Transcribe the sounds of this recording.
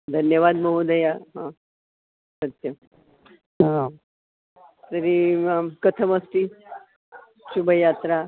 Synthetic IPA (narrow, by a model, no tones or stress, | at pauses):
d̪ʱənjəʋad̪məɦud̪əjaɦã | sət̪jə | t̪əɾikət̪ʰəməsʈi | ʃubʱəjat̪ɾa